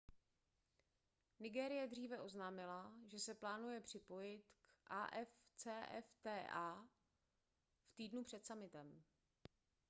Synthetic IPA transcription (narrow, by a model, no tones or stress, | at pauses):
nɪɡɛːɾɪjɛdr̝iːvɛʔo̞znaːmɪlaʒɛsɛplaːnujɛpr̝̥ɪpo̞jɪt̪kʔaːʔɛft͡sɛːʔɛft̪ɛːʔaː | ft̪iːdnupr̝̥ɛt̪samɪt̪ɛm